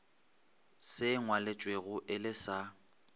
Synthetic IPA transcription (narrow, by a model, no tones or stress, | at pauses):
sɪŋwalet͡ʃʼweɣʊʔɪlɪsa